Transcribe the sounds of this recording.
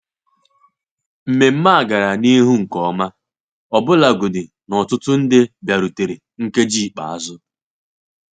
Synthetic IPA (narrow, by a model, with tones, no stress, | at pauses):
m̩˨me˨m̩˦ma˦a˨ɡa˨ɾa˨ni˦ɦu˦ŋ̩˨kɔ˨˦ma˦ | ɔ˨bʊ˦la˨ɡʊ˨dɪ˨ | nɔ˨tʊ˦tʊ˦n̩˦dɪ˦bja˨ɾu˨te˨ɾe˨ | ŋ̩˦ke˦d͡ʒi˦˨k͡pa̰˨a˦zʊ˦